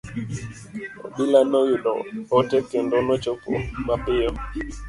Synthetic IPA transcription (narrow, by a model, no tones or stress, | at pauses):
o̰ɓilanɔjuɗɔ̰ɔtɛkɛndɔnɔt͡ʃopɔ̰mapɪjɔ